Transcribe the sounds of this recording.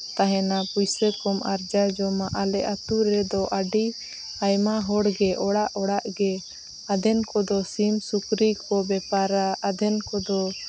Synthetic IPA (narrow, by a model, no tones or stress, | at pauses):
t̪aɦɛnapujsəkɔmʔaɾd͡ʒad͡ʒɔmaʔalɛʔat̪uɾɛd̪ɔʔaɖi | ajmaɦɔɽɡɛʔɔɽaʔɔɽaʔɡɛ | ad̪ʱɛnkɔd̪ɔsimsukɾikɔbɛpaɾaːd̪ʱɛnkɔd̪ɔ